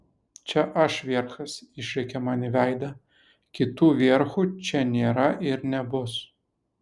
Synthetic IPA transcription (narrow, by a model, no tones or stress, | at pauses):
t͡ʃʲɛʔɐʃʋʲeɛɾxɐsɪʃʲɾʲɛɪkʲɛmɑnʲɪʋʲæˑɪd̪ɐ | kʲɪt̪uːʋʲeɛɾxut͡ʃʲɛnʲeːɾɐʔɪɾnʲɛbʊs